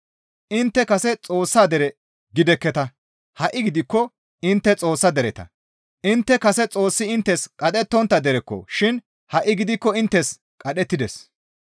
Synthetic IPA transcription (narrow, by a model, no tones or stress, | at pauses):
ʔɪnt̪ːɛkɐsɛt͡sʼo̞ːsːaːd̪ɛɾɛ | ɡɪd̪ɛkːɛt̪ɐ | hɐʔːɪɡɪd̪ɪkːɔ | ɪnt̪ːɛt͡sʼo̞ːsːɐd̪ɛɾɛt̪ɐ̰ | ʔɪnt̪ːɛkɐsɛt͡sʼo̞ːsːɪɪnt̪ːɛskʼɐɗɛt̪ːɔnt̪ːɐd̪ɛɾɛkːɔ̰ʃɪn | hɐʔːɪɡɪd̪ɪkːɔɪnt̪ːɛs | kʼɐɗɛt̪ːɪd̪ɛs